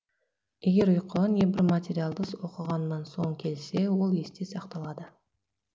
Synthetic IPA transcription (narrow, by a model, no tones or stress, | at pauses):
eɡʲe̞ɾʊjqəlˠɑnjebɪɾmat̪ʲe̞ɾʲijalˠd̪əswo̞qəʁɑnːɑnso̞ɴkʲʰe̞lse̞wo̞lˠe̞st̪esɑqt̪ɑlˠɑd̪ə